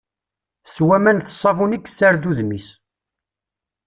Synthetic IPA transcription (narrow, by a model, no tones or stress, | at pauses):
swæmænθsˤɑvunikːsːaɾðuðnis